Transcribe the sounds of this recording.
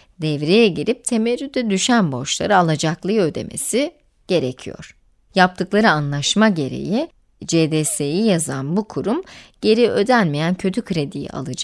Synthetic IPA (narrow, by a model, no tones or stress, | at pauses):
d̪ɛvɾejɛɟiɾip̚t̪ʰe̞meɾyd̪ɛd̪yʃænbo̞ʃlˠa̰ɾɯalˠad͡ʒaklˠɯjɯø̞d̪e̞̰mʔe̞̰si | ɟ̥e̞ɾecʰijo̰ɾ̥ | jap̚t̪ʰɯklˠaɾɯanlˠaʃmaɟe̞ɾe̞̰ji | d͡ʒed̪esejijazanbukʰuɾumɟ̥e̞ɾiø̞d̪ænmejæncʰøt̪ʰykʰɾe̞d̪ijḭʔa̰lˠɯd͡ʒ